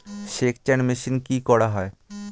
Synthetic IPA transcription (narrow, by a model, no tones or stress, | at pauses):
ʃekʰt͡ɕɛnmiʃinkikɔɽaɦɔe